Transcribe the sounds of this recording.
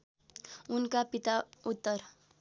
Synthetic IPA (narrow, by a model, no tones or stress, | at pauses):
unkapit̪aut̪ːʌr